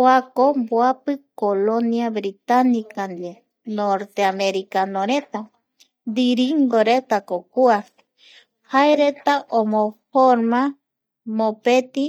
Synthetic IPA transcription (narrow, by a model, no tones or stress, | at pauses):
oakomboapɨkoloniaβɾit̪anikand̪e | noɾt̪eameɾikanoɾet̪a | d̪iɾiŋɡoɾet̪akokua | haeɾet̪aʔomõfoɾmã | mõpet̪i